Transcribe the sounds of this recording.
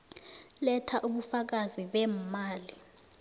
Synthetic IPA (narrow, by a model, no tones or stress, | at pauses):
lɛtʰaʔuɓufak̬aziɓɛmaːli